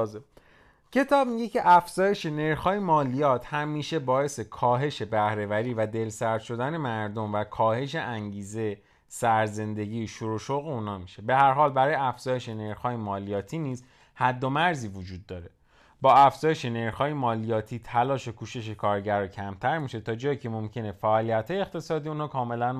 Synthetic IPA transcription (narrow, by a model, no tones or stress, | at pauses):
cʰe̞t̪ʰɒːb̚miɟecʰe̞ʔæfz̥ɒːje̞ʃe̞ne̞ɾxɒːjemɒːlijɒːt̪ʰhæmiːʃe̞bɒːe̞se̞kʰɒːɦe̞ʃe̞bæhɾe̞væɾiːvæd̪e̞lsæɾd̪̥ʃo̞d̪æne̞mæɾd̪o̞mvækʰɒːhe̞ʃ̬e̞ʔæŋɟiːze | sæɾze̞nd̪e̞ɟiːʃuɾoʃoɣeunhɒːmiʃe̞be̞hæɾɦɒːlbæɾɒːjeæfz̥ɒːje̞ʃe̞ne̞ɾxhɒːjemɒːlijɒːt̪ʰiːniːz | hæd̪ːo̞mæɾziːvod͡ʒuːd̪̚ːɒːɾe̞ | bɒːæfz̥ɒːjeʃe̞ne̞ɾxɒːjemɒːlijɒːt̪ʰiːt̪ʰælɒːʃekʰuːʃe̞ʃ̬ekʰɒːɾɟæɾɒcʰæmt̪ʰæɾmiʃe̞t̪ʰɒːd͡ʒɒːjiːcʰe̞momcʰe̞ne̞fæʔɒːlijæt̪ʰhɒːjeːχt̪ʰe̞sɒːd̪iːuːnhɒːkʰɒːme̞læn